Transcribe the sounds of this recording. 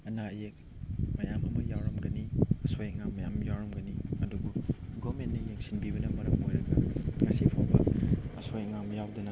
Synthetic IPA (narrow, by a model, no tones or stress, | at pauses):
ɐnajek̚ | mɐjamɐmɐjawɾɐmɡɐniɐsojek̚ŋamːɐjamjawɾɐmɡɐniɐdubuɡɔmenːɐjeŋsinbibɐnɐmɐɾɐmojɾɐɡɐŋɐsipʰanbɐ̰ɐ̰sojek̚ŋamjawdɐnɐ